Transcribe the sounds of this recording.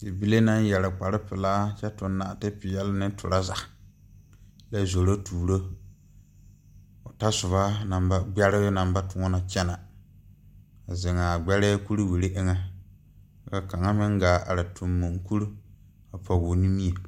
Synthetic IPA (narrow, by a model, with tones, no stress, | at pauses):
tɪ˨bi˦le˦na˦n˦jɛ˨ɾɪ˨k͡pa˨ɾɪ˦pɪ˨laː˦t͡ʃɛ˦tʊ˨nːa˨tɪ˦pɪ˨jɛ˦lnɪ˦tʰʊ̰˨ɾa˦za˨ | la˨zo˨ɾo˦tuː˨ɾo˦ | ʊ˨ta˦sʊ˨βa˦na˨mba˦ɡ͡bɛ˦ɾɪ˦bna˨mba˦tʊ˨ŋɔ˦na˦t͡ʃɛ˦na˨ | a˨zɪ˨ŋa˨ɡ͡bɛ˦ɾɛ˦ku˦ɾwi˨ɾe˦ʔɪ˦ŋa˦ | ka˨ka˨ŋa˦mɪ˦ŋɡaː˨ʔa̰˨ɾɪ˨tʰʊ˨mːo˨ŋku˦ɾu˦ | a˨pʰɔ˨ɡʊ˨ni˦mi˦e˨